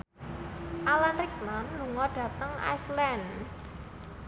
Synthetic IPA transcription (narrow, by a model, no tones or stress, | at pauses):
ʔalanrik̚manːuŋɔɖ̥ä̤t̪əŋa̰jslɛn